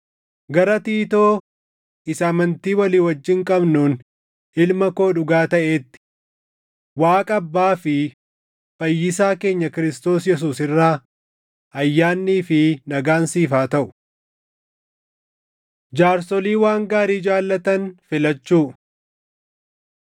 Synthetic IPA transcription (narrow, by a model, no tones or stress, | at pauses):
ɡɐɾɐt̪iːt̪o̞ː | ɪsamɐnt̪iːwɐliːwɐd͡ʒːɪŋkʼɐbnuːn | ʔɪlmɐko̞ːᶑʊɡaːt̪ɐʔe̞ːt̪ːɪ̥ | waːkʼɐbːaːfɪ | fɐjːɪs̬aːke̞ːɲːɐkɪɾɪst̪o̞ːsjɛs̬uːsɪrːaː | ʔɐjːaːnːiːfɪnɐɡaːnsiːfaːt̪ɐʔʊ̥ | d͡ʒaːɾsɔliːwaːŋɡaːɾiːd͡ʒaːlːɐt̪ɐnfɪlɐt͡ʃːuː